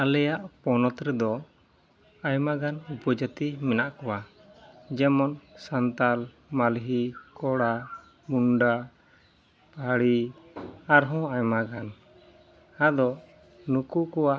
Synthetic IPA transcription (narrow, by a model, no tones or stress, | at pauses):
alɛjaʔpɔnɔt̪ɾɛd̪ɔ | ajmaɡanupɔd͡ʒət̪imɛnaʔkɔwa | d͡ʒɛmɔnsant̪al | malɦikɔɽa | muɳɖa | paɽi | aɾɦɔ̃ajmaɡan | ad̪ɔ | nukukɔwaʔ